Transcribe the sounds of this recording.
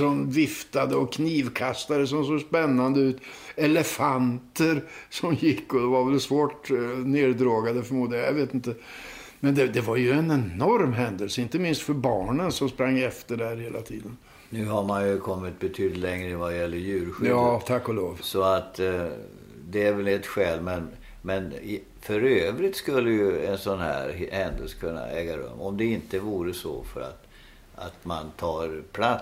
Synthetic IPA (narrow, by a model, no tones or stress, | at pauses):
ɔmvɪft̪ad̪əɔkʰniːvkʰast̪ad̪əs̬ɔmsoːspɛnːand̪əʉ̟ːt̪ɛləfant̪əɾsɔmjɪkːɔd̪ɛvaɾvɛlsvoːʈneːd̪d̪ɾoːɡad̪əfœɾmuːd̪lɪɡajaveːt̪ɪnt̪ə | mɛnd̪ɛd̪ɛvaɾjɵɛnɛnɔɾmɦɛnd̪əlsəɪnt̪əmɪnst̪fœɾbɑːɳənsɔmspɾaŋːɛft̪əɖɛhæːɾheːlat̪ʰḭːd̪ən | nʉ̟ːɦaɾmanjɵkʰɔmːɪt̪̚bɛt̪ʰyːd̪ɪt̪lɛŋɾəvajɛlːəɾjʉ̟ːɾɧʏjɑːt̪ʰakːɔloːvsɔat̪ | d̪ɛæɾvɛlɛt̪ɧɛːlmɛn | mɛn | fœɾøːvɾɪt̪skɵlːəjɵɛnsɔnhæ̰ːɾhɛnd̪əlsə̥kʰɵnːa̰ɛːɡaɾɵ̰mːɔmd̪ɛɪnt̪əvuːɾəsɔ̰fœ̰ɾa̰t̪ | a̰t̪mant̪ʰɑːɾpʰlat̪s